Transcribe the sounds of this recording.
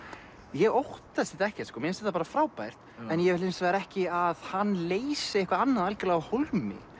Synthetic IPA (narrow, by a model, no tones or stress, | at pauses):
jɛɣowht̪aðsɪt̪aɛhcɛt̪skɔːmjɛnst̪ɛht̪apaːɾafɾaːwpajr̥t̪ɛnjɛlɪnsvɛːɣɾɛhcɪaðhanːleːjsɪehkvaɾanːaðalcɪlaːɣaholmɪ̰